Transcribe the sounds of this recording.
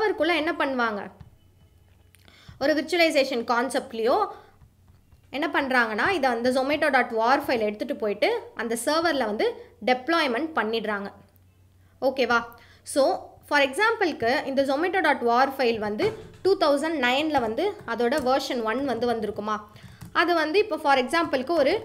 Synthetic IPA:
ʋɐɾkʊɭːɐɛnːɐpɐɳːɯʋaːŋɡɐ̰ | ɔɾɯʋɪɾt͡ʃːʊɐlɐɪs̬eːʂɐnkaːnsɛp̚ʈlɪjoː | ɛnːɐpɐɳːɾaːŋɡɐnːaːɪðɐɐnd̪ɐs̬ɔmeːʈoːɽaːʈʋaːɾfɐɪlɛɽɯt̪ːɯʈːɯpːoːjɪʈːɯʔɐnd̪ɐsɐːɾʋɐɾlɐʋɐnd̪ɯɖɛplɔːɪmɛɳʈ̚pɐɳːɪɽɾaːŋɡɐ | oːkeːʋaː | soːfɐɾɛksaːmpɐlkɯɪnd̪ɐsɔmeːʈːoːɖaːʈʋaːɾfɐɪlʋɐnd̪ɯʈuːt̪ɐʊsɐɳɖnɐɪnlɐʋɐnd̪ɯɐðoːɽɐʋɐːɾʂɐnʋɐnʋɐnd̪ɯʋɐnd̪ɯɾɯkːɯmaː | ɐðɯʋɐnd̪ɯɪpːoːfɐɾɛksaːmpɐlkːɯɔɾɯ

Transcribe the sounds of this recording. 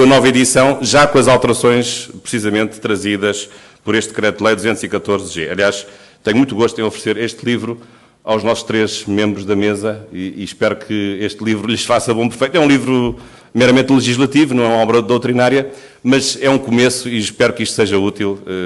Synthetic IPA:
ɐnɔvɐiðisɐ̃w̃ʒakõɐzalˠt̪ɨɾɐsõj̃ʃpɾsizɐmẽnt̪ːɾɐziðɐʃ | pɔɾeʃt̪kɾɛt̪lˠɐjd̪uzẽnt̪z̥ikɐt̪oɾzʒeɐ̰lˠiaʃ | t̪ɛɲumũt̪uɣoʃt̪ẽofɾseɾeʃt̪lˠivɾu | awʒnɔsu̥ʃt̪ɾeʒmẽmbɾuʒðɐmezɐiːʃpɛɾukʰɨeʃt̪lˠivɾuʎɨʃfasɐβõpɾfɐjt̪ɛũlˠivɾu | mɛjɾɐmẽnt̪lˠɨʒiʒlˠɐt̪ivunɐ̃w̃ɛumɐɔβɾɐðowt̪ɾinaɾjɐ | mɐzɛũkumesuiʃpɛɾukiʃt̪useʒɐut̪ilˠɛ

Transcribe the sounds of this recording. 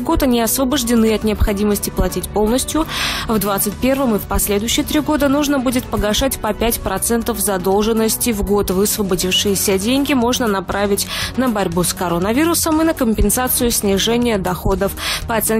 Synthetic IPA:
ɡo̞t̪ɐnʲiɐsvəbəʐdʲɪnɨɐt̪nʲɪɐpxɐdʲiməsʲtʲɪplˠɐtʲitʲpo̞lˠnəsʲtʲjʊvd̪vat̪sɨtʲpʲe̞rvəmɨfpɐsʲlʲe̞d̪ʊjɕːɪjət̪ɾʲiɡo̞d̪ənuʐnəbudʲɪt̪̚pəɡɐʂatʲpɐpʲætʲpɾɐt̪sɛnt̪əvzɐd̪o̞lˠʐɨnːəsʲtʲɪvɡo̞t̪vɨsvəbɐdʲifʂɨjɪsʲədʲenʲɡʲɪmo̞ʐnənɐpɾavʲɪtʲnəbɐɾʲbuskɐɾonəvʲiɾʊsəmɨnəkəmʲpʲɪnsat̪sɨjʊsʲnʲɪʐɛnʲɪjəd̪ɐxo̞d̪əfpəɐt̪sɛn

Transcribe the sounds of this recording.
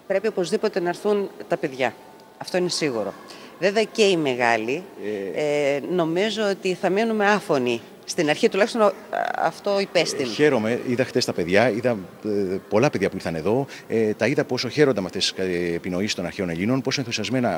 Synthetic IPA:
pɾe̞pio̞po̞zðipo̞t̪e̞nɐːɾθunt̪ɐpe̞ðʝɐ | ɐft̪o̞ine̞siɣuɾo̞̰ | veveɐce̞ime̞ɣɐli | no̞mizo̞ot̪iθɐme̞nume̞ɐfo̞ni | st̪inɐɾçit̪ulɐçist̪o̞nɐ̰ft̪o̞ipe̞st̪ine̞ɾo̞me̞iðɐxt̪e̞st̪ɐpe̞ðʝɐiðɐ | po̞lɐpeðʝɐpuiθɐne̞ðo̞et̪ɐiðɐpo̞so̞çe̞ɾo̞nd̪ɐmɐft̪e̞si̥ːpino̞isist̪o̞nɐɾçe̞o̞ne̞ʎino̞nposoenθusiɐzme̞nɐ

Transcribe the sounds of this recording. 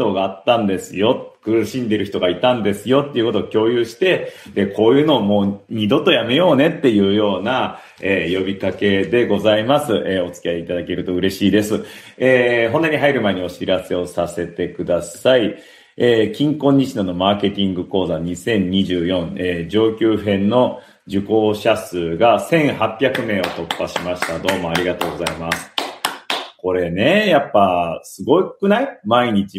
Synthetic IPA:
o̞ɡaːt̪ːãnd̪e̞sɨjo̞t̪kɯ̟ɾɯ̟ɕĩnd̪e̞ɾɯ̟çi̥t̪o̞ɡait̪ãnd̪e̞sɨjo̞t̪ːe̞iɯ̟ko̞t̪ookʲo̞ːjɯ̟ːɕi̥t̪e̞d̪e̞kʰo̞ːjɯ̟ːno̞ːmo̞ːɲ̟id̪o̞t̪ːojame̞jo̞ːne̞t̪ːe̞jɯ̟ːjo̞ːna | eːjo̞bʲikake̞d̪e̞ɡo̞zaimasɨʔeo̞t͡sɨ̥kʲiaiit̪ad̪ake̞ɾɯ̟t̪o̞ɯ̟ɾe̞ɕiːd̪e̞sɨ | eːɦont̪aɲ̟iɦaiɾɯ̟mae̞ɲ̟io̞ɕiɾase̞o̞sase̞t̪e̞kɯ̟d̪asai | eːkʲĩŋkõ̞ɲ̟ːiɕinono̞maːke̞t̪ʲĩŋɡɯ̟ko̞ːzaɲ̟isẽ̞ɲ̟ɲiʑɨːjõ̞ɴeːd͡ʑo̞ːkʲɯːɦẽ̞nnːo̞ | d͡ʑɨko̞ːɕasɨːɡasẽ̞ɰ̃hapʲːjakɯ̟me̞ːo̞t̪o̞pːaɕimaɕi̥t̪ad̪o̞ːmo̞aɾʲiɡat̪o̞ːɡo̞zaimasɨ̥ | ko̞ɾe̞ne̞japːasɨɡo̞ikɯ̟naimaiɲ̟it͡ɕi

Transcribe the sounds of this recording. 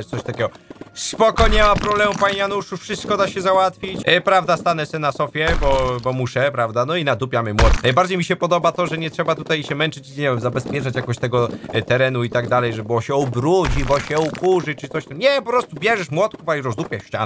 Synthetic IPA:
tsɔɕt̪akʲɛɡɔspɔkɔɲɛmapɾɔblɛmupaɲijanuʂufʂɨst̪̚kɔd̪aɕɛzawat̪fʲit͡ɕpɾavd̪ast̪anɛsɛnasɔfʲjɛbɔbɔmuʂɛpɾavd̪anɔinad̪upʲjamɘmwɔt̪najbaɾd͡ʑejmiɕɛpɔd̪ɔbat̪ɔʐɛɲɛtʂɛbat̪ut̪ajɕɛmɛnt͡ʂɘt͡ɕiɲɲɛvʲɛmzabɛspʲjɛt͡ʂat͡ɕjakɔɕt̪ɛɡɔt̪ɛɾɛn̪uit̪aɡd̪alɛjʐɛbɔɕɛɔbɾud͡ʑibɔɕɛukuʐɨt͡ʂɨt̪sɔɕt̪ɛmɲɛpɔpɾɔst̪ubʲjɛʐɛʂmwɔt̪̚kufaiɾɔzd̪upʲjaʂɕt͡ɕa̰n

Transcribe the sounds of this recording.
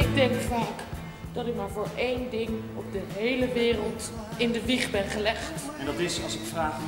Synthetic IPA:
ɪɡ̚dɛŋkfaːk | d̥ɑtɪk̚maːɹvoːɹejndɪŋ | ɔp̚dəɦejləʋɪːrəlˠt | ɪndəʋiχbɛnχəlɛχt | ɛndɑtɪsɑlˠsɪkfraːχ

